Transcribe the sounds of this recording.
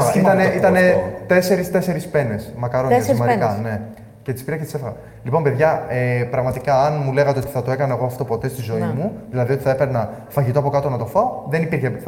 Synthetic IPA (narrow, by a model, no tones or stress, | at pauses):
it̪ɐneit̪ɐnet̪e̞se̞ɾist̪e̞se̞ɾispe̞ne̞smɐkɐɾossmɐɾikɐne̞ | ce̞t̪ispiɾɐcet̪ise̞fɐɣɐ | lipo̞mpe̞ðʝɐepɾɐɣmɐt̪ikɐːnmule̞ɣɐt̪e̞o̞t̪i̥θɐt̪o̞e̞kɐnɐeɣo̞ɐft̪o̞po̞t̪e̞st̪izo̞imuðilɐðiot̪iθɐepe̞ɾnɐ | fɐʝit̪oɐpo̞kɐt̪o̞nɐt̪o̞faoðenipiɾçepit̪